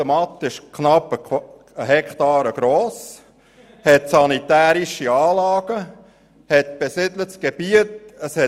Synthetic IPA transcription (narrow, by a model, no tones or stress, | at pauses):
əmɑt̪ːɪʃkʰnɑpə | əɦɛkʰtɑːɾəɡ̥ɾoːs | hɛt̪sɑnit̪æːɾiʃiɑːlɑːɡ̥ə | hɛt̪̚b̥esɪdlətsɡ̥eb̥iətəshɛ